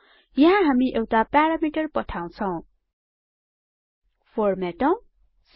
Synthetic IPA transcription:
jʌɦãɦamiʔewtapaɾamiʈʌɾpʌʈʰaw̃t͡sʰʌ̃w̃ | fʰoɾmɛʈʌ̃w̃ | s

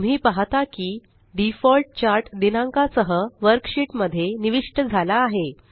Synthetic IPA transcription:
um̤iːpaɦt̪akiː | ɖifɔlʈ̚t͡ɕaɾʈd̪inãŋkasəɦəʋəɾkɕiʈməd̪ʱːjeniʋiʂʈəd͡zʱalaːɦe

